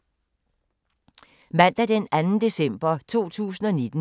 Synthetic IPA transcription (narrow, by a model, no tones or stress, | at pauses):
mæn̰d̥æd̥enænn̩d̥e̝sem̰b̥ɐt͡sʰo̝̰ːt͡sʰṵːsn̩ɒ̽ne̝d̥n̩